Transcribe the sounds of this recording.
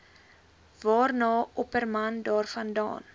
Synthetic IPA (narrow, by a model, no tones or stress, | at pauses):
vɑːrnɑːɔpərmɐndɑːrfɐndɑ̰ːn